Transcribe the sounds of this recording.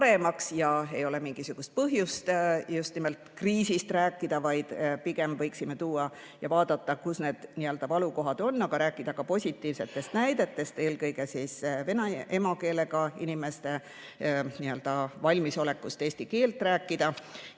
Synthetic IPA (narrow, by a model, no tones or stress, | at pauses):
ɾe̞mɑksjɑe̞jo̞le̞miŋɡ̥isuɡ̥ust̪̚pɤɦjust̪just̪nime̞lt̪ˑkriːsist̪ræːkːˑid̪̥ɑvɑjd̪̥piɡ̥e̞mvɤjksime̞t̪uːɑ | jɑvɑːd̪̥ɑt̪ːɑkusne̞ːd̪̥niø̞ld̪̥ɑvɑluko̞ɦɑd̪̥o̞nːɑɡ̥ɑɾæːkːˑid̪̥ɑkɑpo̞sʲit̪ːˑiːvse̞t̪ːˑe̞st̪næjd̪̥e̞t̪ːˑe̞st̪e̞ːlkɤjɡ̥e̞siːsvenɑe̞mɑke̞ːle̞ɡɑinime̞st̪e̞ | niø̞ld̪̥ɑvɑlʲmiso̞le̞kːˑust̪e̞ːst̪ike̞ːlt̪ˑræːkːˑid̪̥ɑ